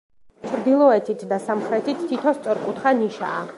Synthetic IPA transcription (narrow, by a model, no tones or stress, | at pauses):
t͡ʃʰɾd̪ilˠɔɛt̪ʰit̪ʰd̪asamχɾɛt̪ʰit̪ʰːit̪ʰɔst̪sʼɔɾkʼut̪χaniʃa̰ː